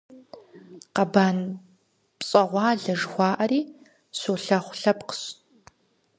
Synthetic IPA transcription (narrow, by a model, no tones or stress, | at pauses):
qɐbaːn | pt͡sʼɐʁʷɑːɮɐʐxʷɑːʔɐɾiː | ɕuːɬɐχʷɬɐpqə̥ɕʼ